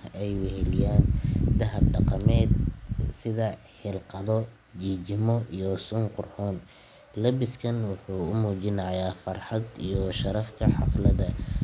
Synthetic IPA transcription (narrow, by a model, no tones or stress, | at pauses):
ɛjwɛɦɛlɪjaːnd̪ɐɦɐb̚ɖɑqɑmɛːd̪sɪðɐ | ħɪlqɑðɔ | d͡ʒiːd͡ʒɪmɔijɔsʊnqʊrħuːn | lɐbɪskʰɐnwʊħuːʊmuːt͡ʃɪnɐjaːfɐrħɑd̪ijɔʃɐɾɐfkʰɐħɑ̰flɐðɐ